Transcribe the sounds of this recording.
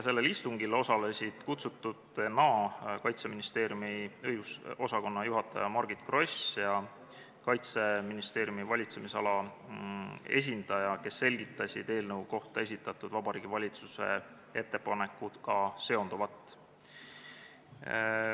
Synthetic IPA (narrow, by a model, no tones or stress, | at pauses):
jse̞lːe̞list̪uŋɡilo̞sɑle̞sʲid̪̥kut̪sut̪ːˑud̪nɑːkɑjt̪se̞minist̪e̞ːɾjumiɤjɡuso̞sɑko̞nːɑjuɦɑt̪ːˑɑjɑmɑrɡ̥it̪kro̞sjɑ | kɑjt̪se̞minist̪e̞ːɾjumivɑlʲit̪se̞misɑ̰lɑ | e̞̰s̬ʲind̪̥ɑjɑke̞sːe̞lʲɡit̪ˑːɑsʲid̪̥e̞ːlnɤwko̞ht̪ɑe̞s̬ʲit̪ːˑɑt̪ːˑud̪vɑbɑɾiːɡ̥ivɑlʲit̪suse̞̰ | e̞t̪ːepɑne̞kːˑud̪̥kɑse̞o̞nd̪̥uvɑt̪ːˑ